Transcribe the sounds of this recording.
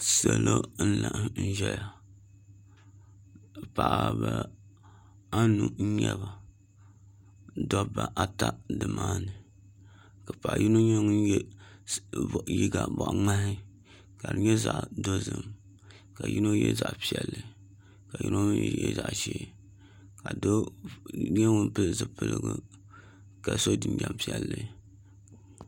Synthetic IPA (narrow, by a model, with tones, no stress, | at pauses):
sɛ˨lo˦n̩˦la˨ʔn̩˦ʒɛ˦ja˨ | pa˨ʔa˦ba˦ | a˦nu˦n̩˦ɲɛ˦ba˨ | dɔ˦ba˨ʔa˨ta˦dɨ˨maː˦nɨ˨ | ka˨pa˨ʔji˦no˦ɲo˦ŋ˦˨ | ji˦ɡa˨bɔ˨ʔŋ͡ma˦hɪ˦ | ka˨dɨ˨ɲɛ˦za˨ʔdo˦zɨ˦m | ka˨ji˦no˦jɛ̰˦za˨ʔpi˦ɛ˨lːɨ˨ | ka˨jṵ˦no˦jɛ̰˦za˨ʔʃeː˦ | ka˨do˦ | ɲɛ˦ŋʊ˦n˦pɨ˦lzɨ˦pɨ˦lɨ˦ɡɨ˦ | ka˨so˦dɨ˨nd͡ʒa˨mpi˦ɛ˨lːɨ˦